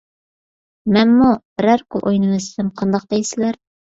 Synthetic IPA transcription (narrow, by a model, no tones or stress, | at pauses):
mɛnmu | ɾæɾkʰʊlˠʔo̰jnɨmɨsɪ̥d̪ɪmqʰɑnd̪ɑq̚d̪ejsɪlæɾ